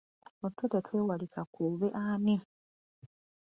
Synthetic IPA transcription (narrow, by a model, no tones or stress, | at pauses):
otːotetweːwalikakuβeʔaːni